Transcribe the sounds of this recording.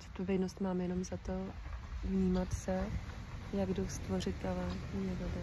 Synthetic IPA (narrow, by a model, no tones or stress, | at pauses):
zɛt̪̚povɛdnost̪maːmjɛno̞mzat̪o̞vɲiːmat̪sɛ | jaɡdowst̪vo̞rɪt̪̚kavanɛbobɛ